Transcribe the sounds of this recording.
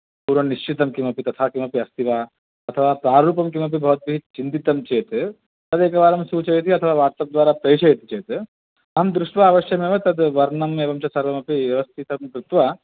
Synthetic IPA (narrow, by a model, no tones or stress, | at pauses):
puːɾʋɐniʃt͡ʃit̪ɐmkimɐpit̪ɐt̪ʰaːkimɐpiɐst̪ʰiʋaː | ɐt̪ʰɐʋaːpɾaːɾuːpɐmkimɐp̬ibʱɐːt̪̚biɦit͡ʃint̪it̪ɐmt͡ʃeːt̪ | t̪ɐd̪eːkɐʋaːɾɐmsuːt͡ʃɐjet̪ʰiɐt̪ʰɐʋaːʋaːɾst̪ɐb̚d̪ʋaːɾapɐjt͡ʃʰɐjet̪it͡ʃeːt̪ | ɐmd̪ɾuʃʋaaːʋɐʃjɐmẽʋɐt̪ɐd̪ʋɐɾnɐmeːʋɐmt͡ʃɐsɐɾʋɐmɐpiʋjɐʋɐst̪ʰit̪ɐmkɾut̪ʋa